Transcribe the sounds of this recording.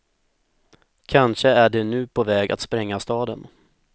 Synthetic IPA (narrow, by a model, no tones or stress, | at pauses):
kʰanʂəæɖɛnʉ̟ːpʰɔvɛːɡa̰t̪spɾɛŋːast̪ɑːd̪ən